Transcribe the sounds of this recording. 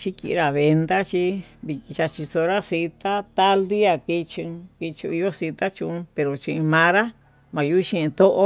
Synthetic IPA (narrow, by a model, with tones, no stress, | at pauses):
t͡ʃi˦kḭ˨ʔɾa˨βe˧nd̪a˦t͡ʃi˦βi˨ki˧t͡ʃa˧t͡ʃi˧so˧ɾa˦si˧t̪a˦t̪a˦ld̪i˦a˧˨ki˧t͡ʃũ˧ki˧t͡ʃṵ˧i˧jo˦si˧t̪a˦t͡ʃũ˧pe˨ɾo˨t͡ʃĩ˧i˧mã˧˦ɾa˦ | mã˨ju˦˧ʃĩ˦ĩ˧t̪o˦ʔo˦